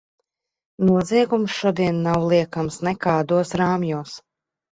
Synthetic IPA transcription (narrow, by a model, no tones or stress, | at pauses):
nuɔzʲiɛɡumsʃuɔd̪iɛnːawlˠiɛkamsnɛkaːd̪uɔsɾaːmjuːs